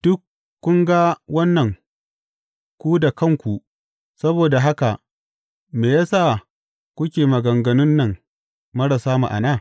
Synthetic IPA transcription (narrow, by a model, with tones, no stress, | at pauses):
d̥ʊ˦kː | ʊ˦ŋɡa˦wɐ˦nːɐ˨ŋ | kʷu˦da˨kɐ˦˨ŋkʷu˨ | sɐ˦boː˨da˨ɦa˦ka˨ | meː˨jaː˦saː˦˨ | kʷʊ˦kʲeː˨mɐ˨ɡɐ˨ŋɡɐ˨nʊ˦nːɐ˨ŋ | mɐ˦ɽɐ˨saː˦mṵ˨ʔa̰˨naː˦˨